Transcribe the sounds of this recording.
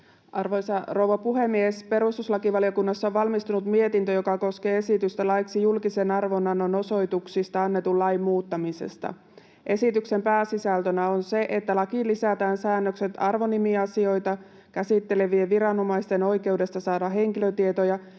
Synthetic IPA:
ʔɑrʋojsɑrowʋɑpuɦemːiespe̞ɾust̪uslɑkiʋɑliokunːɑsːɑoʋʋɑlmist̪unut̪mie̞t̪int̪øjo̞kɑko̞ske̞ːe̞sit̪yst̪ælɑjksijulkisenɑrʋo̞nːɑnono̞so̞jt̪uksist̪ɑɑnːe̞t̪ullɑjmːuːt̪ːɑmisḛst̪ɑ̰ | ʔe̞sit̪ykse̞mpæːsisælt̪ønæo̞nse̞ʔet̪ːælɑkilːisæt̪æːnsæːnːøkse̞t̪ɑrʋo̞nimiɑsio̞jt̪ɑ | kæsit̪ːe̞le̞ʋieʋiɾɑno̞mɑjst̪e̞no̞jke̞uwde̞st̪ɑsɑːdɑɦe̞ŋkiløt̪ie̞t̪ojɑ

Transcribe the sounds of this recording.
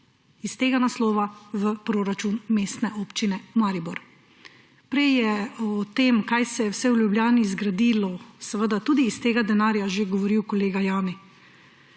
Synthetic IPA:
ist̪eːɡanaslɔːʋaʋəpɾoːɾat͡ʃunmeːst̪nɛʔoːpt͡ʃinɛmaːɾibɔɾ | pɾɛjjɛɔt̪eːmkajsɛjɛwsɛwljubljaːnizɡɾad̪iːlɔsɛʋəd̪at̪uːd̪iːst̪eːɡad̪ɛnaːɾjaʒeɡɔʋɔɾiwkɔleːɡajaːmi

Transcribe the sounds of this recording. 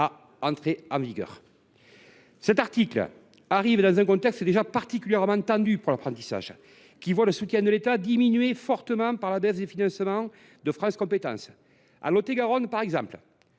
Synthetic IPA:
a | ɑ̃nt̪χeɑ̃viɡœ̰ʁ | sɛt̪aʁt̪iklə̰ | aʁivd̪ɑ̃zɛ̃kɔ̃t̪ɛkst̪əd̪eʒapaʁt̪ikʲyljɛʁmɑ̃t̪ɑ̃d̪ypuʁlapχɑ̃nt̪isa̰ʒ | kʲivwaləsut̪jɛ̃d̪əlet̪ad̪iminɥefɔʁt̪əmɑ̃paʁlabɛsd̪efinɑ̃smɑ̃ | d̪əfχɑ̃skɔ̃mpet̪ɑ̰̃s | a̰lɔt̪eɡaʁɔnpaʁɛɡzɑ̃pl

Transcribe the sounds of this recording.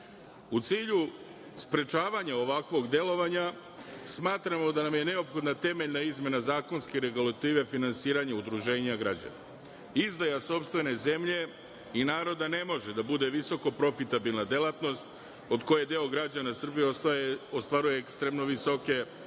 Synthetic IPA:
ut̪siːʎu | spɾe̞t͡ʃaːʋaɲao̞ʋakʋo̞ɡd̪e̞lˠo̞ʋaɲa | smaːt̪ɾamo̞d̪anamje̞ne̞opxo̞d̪nat̪e̞meʎnaizmje̞nazaːko̞nskeɾe̞ɡulat̪iːʋe̞finansiːɾaɲaud̪ɾuʒe̞ːɲaɡɾad͡ʑa̰na̰ | izd̪ajaso̞pst̪ʋe̞ne̞ze̞mʎe̞ | inaːɾo̞d̪ane̞mo̞ʒed̪abud̪e̞ʋiso̞ko̞pɾo̞fit̪abilˠnad̪e̞lat̪no̞st̪ | o̞d̪ko̞je̞d̪eoɡɾad͡ʑanasr̩bijeost̪ʋaɾuje̞ekst̪ɾe̞mno̞ʋiso̞ke̞

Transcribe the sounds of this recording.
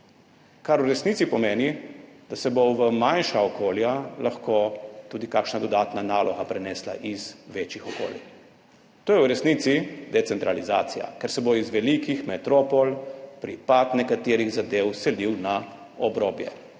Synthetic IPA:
kaɾwɾɛsnit̪sipɔmeːnid̪̥asɛboʋəmanʃaɔkʰoːljalaxkot̪uːd̪ikakʃnad̪ɔd̪aːt̪nanaːlɔɣapɾɛnɛːsla̰ʔiz̥ʋeːt͡ʃixɔko̰ːlḭ | t̪oːjɛwɾɛsnit̪sid̪ɛt̪sɛnt̪ɾalizaːt̪sija̰kɛɾsɛboizʋɛlikixmɛt̪ɾoːpɔlpɾipat̪nɛkat̪eːɾiɣzad̪eːwsɛliwna | ɔbɾoːbjɛ̰

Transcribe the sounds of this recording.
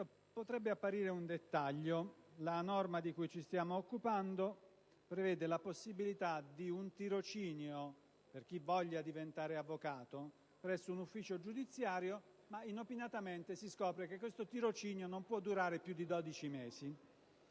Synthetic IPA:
o | pot̪ɾɛbːeapːaɾiːɾeund̪et̪ːaʎːolanɔrmad̪ikujt͡ʃist̪jaːmoːkːupand̪o | pɾevɛːd̪elaposːibilit̪ad̪iunt̪iɾot͡ʃiːnjo | perk̟ivɔʎːad̪ivent̪aːɾeavːokaːt̪o | pɾɛsːounufːiːt͡ʃod͡ʒud̪it̪sːjaːɾjo | mainopinat̪ament̪esiskɔːpɾek̟ekːwest̪ot̪iɾot͡ʃiːnjonompwɔd̪ːuɾaːɾepjud̪ːid̪ɔd̪it͡ʃimeːzi

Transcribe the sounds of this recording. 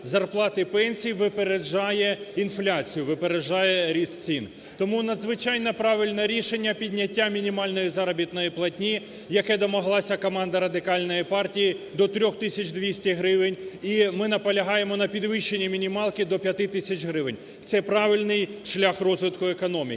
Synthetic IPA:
zɐrplˠɑt̪ɪpɛnʲsʲijʋɪpeɾed͡ʒɑjɛinflʲat͡sʲijʊʋɪpeɾeʒɑjɛɾʲissʲin | t̪ɔmunɐd̪zʋɪt͡ʃɑjnɐpɾɑʋʲilʲnɐɾʲiʃenʲːɐpʲidʲnʲɐtʲːamʲinʲimɑlʲnɔjizɑɾɐbʲit̪nɔjiplˠɐtʲnʲi | jɐkɛd̪ɔmɐɦlˠɑsʲɐkɔmɑnd̪ɐɾɐd̪ɪkɑlʲnɔjipɑrtʲijid̪ɔt̪ɾʲɔxt̪ɪsʲɐt͡ʃʲd̪ʋʲisʲtʲiɦɾɪʋɪnʲimɪnɐpɐlʲɐɦɑjemɔnɐpʲid̪ʋɪʃːenʲːimʲinʲimɑlˠkɪd̪ɔpʲjɐt̪ɪt̪ɪsʲɐt͡ʃɦɾɪʋɪnʲ | t̪sɛpɾɑʋʲilʲnɪjʃlʲaxrɔzʋɪt̪kʊekɔnɔmʲḭ

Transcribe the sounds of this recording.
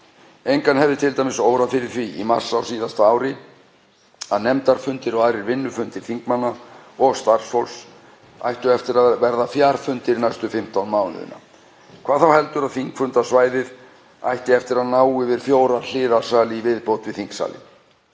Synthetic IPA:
ejŋkanhɛvðɪt̪ʰɪlt̪ajmɪsowɾaðfɪɾɪɾ̥θviima̰r̥sawsiːðast̪aaːwɾɪ | a̰ðnɛmt̪aɾ̥fʏnt̪ɪɾɔaːɾɪɾvɪnːʏfʏnt̪ɪɾ̥θiŋkmanːaɔɣst̪ar̥sfowls | a̰jht̪ʏɛft̪ɪɾavɛɾðafjaːɾ̥fʏnt̪ɪɾnajst̪ʏfɪm̥t̪awnmaːwnʏ̰ðʏ̰nːa̰ | kʰvaːðθawhɛl̪t̪ʏɾaðθiŋkfʏnt̪asvaːjðɪð | a̰jht̪ɪɛft̪ɪɾaðnaːwɪvɪɾ̥fjoːwɾal̥ɪːðḁsaːlɪivɪðpowt̪vɪðθiŋksa̰ːlɪ̰

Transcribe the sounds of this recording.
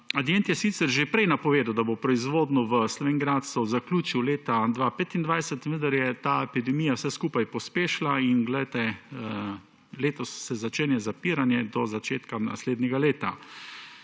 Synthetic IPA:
ad̪jent̪jɛsit̪sɛɾʒepɾɛjnapɔʋeːd̪awd̪abopɾɔizʋoːd̪nuʋəslɔʋeŋɡɾat̪sɔwzaklʲuːt͡ʃiwleːt̪ad̪ʋapet̪ind̪ʋajsɛt̪ʋə̃nd̪aɾjɛt̪aɛpid̪ɛmiːjawsɛskuːpajpɔspeːʃlainɡlɛjt̪ɛ | leːt̪ɔsːɛzat͡ʃeːnjɛzapiːɾanjɛd̪ɔzat͡ʃeːt̪kana̰sleːd̪nʲɲɛɡaleːt̪a̰

